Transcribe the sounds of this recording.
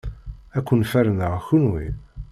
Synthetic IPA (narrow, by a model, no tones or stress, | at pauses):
ækʷːənfæɾənəʁçunwḭ